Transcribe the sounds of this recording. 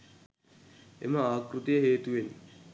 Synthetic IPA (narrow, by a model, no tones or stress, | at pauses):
ḛməaːkrut̪ijəɦeːt̪uʋen